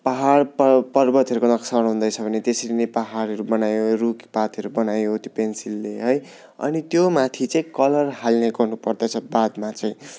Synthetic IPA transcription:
paɦarpʌpʌrbʌt̪ɦʌɾukonʌksaɽɦund̪ʌjt͡sʰʌbʱʌnet̪esʌɾinepaɦaɾɦʌɾubʌnajorukpat̪ʌɾubʌnajot̪jopensilːeɦʌj | ʌ̰nit̪jomat̪ʰit͡sʌĩkʌlʌrɦalneɡʌrnupʌrd̪ʌʌbad̪mat͡sʌĩ

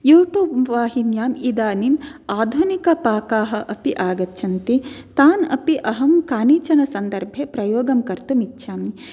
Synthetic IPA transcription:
juːʈjuːbʋaːɦinjaːmid̪aːnimaːd̪ʱunikɐpaːkaːɦɐ̆ʔɐpiʔaːɡɐt̪ːʃʰɐnt̪it̪aːnɐ̰piʔɐɦɐmkaːniːt͡ʃɐnɐsɐnd̪ɐɾbʱjepɾɐjoːɡɐmkɐɾt̪umitːʃʰaːmni

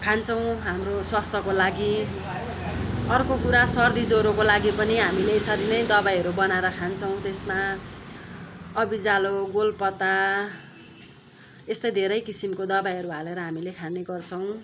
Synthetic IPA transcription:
kʰant͡sʰʌw̃ɦamroswast̪ʰʌkolaɡi | ʌrkokuɾasʌrd̪id͡zoɾokolaɡipʌniɦamileːsʌɾinʌjd̪ʌbajɦʌɾubʌnaeɾʌkʰant͡sʰʌw̃t̪esma | ʌbid͡zaloɡolpʌt̪a | est̪ʌjd̪ʱeɾʌjkisimkod̪ʌbajɦʌɾuɦaleɾʌɦamilekʰaneɡʌrt͡sʰʌw̃

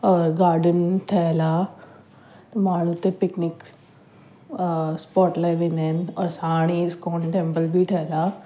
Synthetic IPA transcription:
ɔːɾɡaːɾɖənʈʰɐlaː | t̪ɐmaːɳ̤ũt̪epɪknɪk | spɔːʈlaːɪʋẽːnd̪aːɪnɪɔːɾsaːɽ̃iskɔːnʈẽːmpəlbʱiʈʰɐlaː

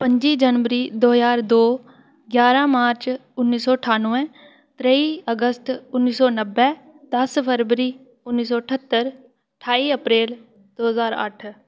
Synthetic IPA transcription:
pə̃ɲd͡ʒid͡ʒənʋəɾiːd̪oːɦjaːɾd̪oː | ɡjaːɾãmaːɾt͡ʃʊnːiːsɔːəʈʰaːnʋɛ̃ | t̪ɾəiəɡəst̪ʊnːiːsɔːnəbːɛ | d̪̥ɐspʰəɾʋəɾiː | ʊnːiːs̬ɔːəʈʰət̪ːəɾ | ʈʰaːiəpɾeːl | d̪̥oːɦzaːɾə̰ʈʰ

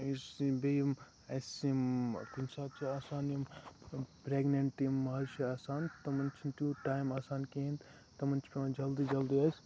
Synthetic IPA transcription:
isibejm | ɐsimkɐnʲsaːb̚t͡ʃiaːsaːnim | pɾeːɡnɐɳʈimːɐɦɾʃiaːsaːnt̪ɐmɐnt͡ʃʰint̪uːʈaːjmaːsaːnkeĩnd̪ | t̪ɐmɐnt͡ʃʰpʲed͡ʒɐld̪iːd͡ʒɐld̪iɐs

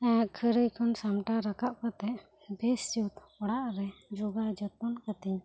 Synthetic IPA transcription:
ɛ̃kʰəɾəjkʰɔnsamʈaɾakaʔkɔt̪ɛʔ | bɛst͡ʃut̪ | ɔɽaʔɾɛd͡ʒuɡad͡ʒɔt̪̚ɔnkat̪iɲ

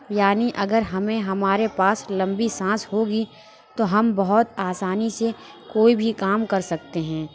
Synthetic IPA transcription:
jaːniʔɐɡəɾɦɐmẽɦɐmaːɾepaːslɐ̃mbisãːsɦoːɡi | t̪oɦɐmbɐɦʊt̪aːsaːnise | koːibʱikaːmkɐɾsɐk̚t̪eɦɛ̃ː

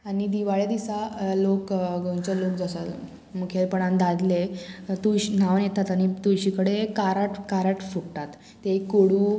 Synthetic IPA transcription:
aɽ̃id̪iʋaɭjad̪isalokɡə̃nt͡ɕəlokd͡zsəl | mukʰelpəɳ̃and̪ad̪let̪ujɕn̤aʋnjet̪at̪aɽ̃it̪uɕikəɽekaɾaʈkaɾaʈfukt̪at̪ːekoɽu

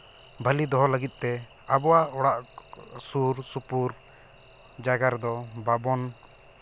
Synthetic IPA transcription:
bʱəlid̪ɔɦɔləɡit̪̚ˀt̪ɛ | abɔwaʔɔɽaʔsuɾsupuɾ | d͡ʒaɡaɾd̪ɔbabɔn

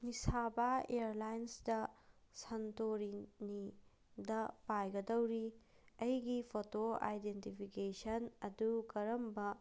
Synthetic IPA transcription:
misabaḛɐɾlajnsdɐ | sɐntoɾini | dɐpajɡɐdɐwɾi | ɐjɡipʰotoa̰jdentipʰikesɐnɐdukɐɾɐmbɐ

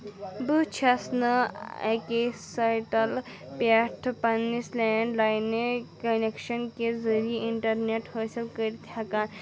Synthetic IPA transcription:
but͡ʃʰɐsnɐḛkesajʈɐl | paʈʰpɐnːisleːɳɖlajnekɐnekʃɐnkezɐɾieiɳʈɐɾneʈhɐːsɐlkəɾit̪ʰjakaːn

